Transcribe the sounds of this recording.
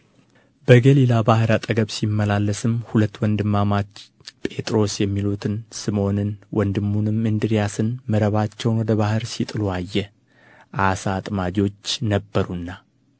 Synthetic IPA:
bəɡəlilabahɨɾat̪ʼəɡəβsimːəlalːəsɨmhulət̪ːwɔnd̪ɨmːamat͡ʃː | pʼe̞t̪ʼɾo̞sjɛmːilut̪ʰɨnsɨmo̞nɨnwʔɔnd̪ɨmːunɨmːɨnd̪ɨɾijasɨnməɾəβat͡ʃːɛwnwɔd̪əβahɨɾsit̪ʼɨluajːɛ | ʔasat̪ʼmad͡ʒo̞t͡ʃːnəbːəɾunːa

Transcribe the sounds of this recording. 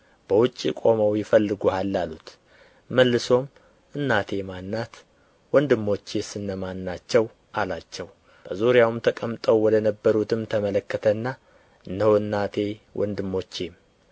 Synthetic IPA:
b̥əwʊt͡ʃʼːḭkʼo̞məwjɪfəlːɨɡuhalːalut̪ | məlːɨso̞m | ʔɨnːat̪ʰe̞manːat̪ | wɔnd̪ɨmːo̞t͡ʃːesɨnːəmanːat͡ʃːɛw | ʔalat͡ʃːɛw | b̥əzuɾjawmt̪ʰəkʼəmt̪ʼəwwɔd̪ənəbːəɾut̪ʰɨmt̪ʰəmələkːət̪ʰənːa | ɨnːəwɨnːat̪ʰe̞wʔɔ̰nd̪ɨmːo̞t͡ʃːem

